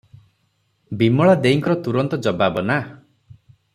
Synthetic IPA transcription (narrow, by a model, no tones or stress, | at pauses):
bimɔɭad̪eiŋkɔɾɔt̪uɾɔnt̪ɔd͡ʒɔbabɔna